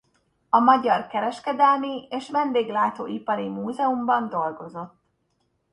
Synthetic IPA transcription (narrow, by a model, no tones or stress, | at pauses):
ɒmɒɟɒrkɛɾɛʃkɛd̪ɛlmieːʃʋɛnd̪eːɡlaːt̪o̰ːipɒɾimuːzɛumbɒnd̪o̞lɡo̞zo̞t̪ː